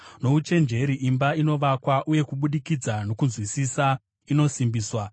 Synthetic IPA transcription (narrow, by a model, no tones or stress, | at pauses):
no̞ut͡ʃe̞nd͡ʒe̞ɾiʔimbaino̞ʋakwaʔuje̞kuɓuɗikid͡zano̞kunzwisisa | ino̞simbiːswa